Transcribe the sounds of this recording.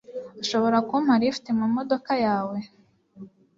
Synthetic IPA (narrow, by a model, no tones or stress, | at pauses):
aʃo̞βo̞ɾakom̥haɾifi̥temamodokajaːwe̞